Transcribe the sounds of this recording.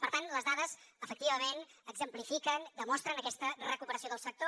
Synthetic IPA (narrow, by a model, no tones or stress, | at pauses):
pəɾt̪anləzðaðəzəfək̚t̪iβəmenəɡzəmplifikənd̪əmɔst̪ɾənəkɛst̪ərəkupəɾəsioðəlˠsək̚t̪o